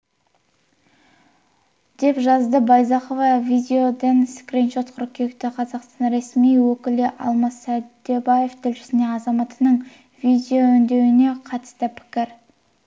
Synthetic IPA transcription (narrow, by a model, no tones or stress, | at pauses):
d̪̥e̞pʒɑzd̪əbɑjzɑχovɑvʲid̪ʲeo̞d̪enskrinʃo̞t̪qʰʊɾkʲʰekt̪ɪqʰɑzɑqst̪ɑnɾe̞smijwɵkʲɪlɪʔɑ̰lˠmɑsæd̪ːebaje̞ft̪ʰɪlʃɪ̥sɪne̞ɑzɑmɑt̪ənəɴ | vʲid̪ʲeoɵnd̪e̞wɪne̞qʰɑt̪ə̥st̪əpʰɪ̥kʲɪɾ